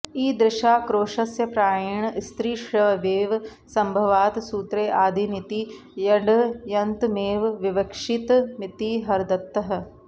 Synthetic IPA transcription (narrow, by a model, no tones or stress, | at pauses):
iːd̪ɾɪʃaːkɾoːʃɐsjɐpɾaːjɐɳst̪ɾiːʃɾɐʋɐʋeːʋ | sɐ̃mbʱɐʋaːt̪suːt̪ɾeːʔaːd̪ʱinit̪i | jɐɖjɐnt̪meːʋʋɪʋɐkʃit̪mɪt̪iɦɐɾd̪ɐt̪ːɐɦɐ̆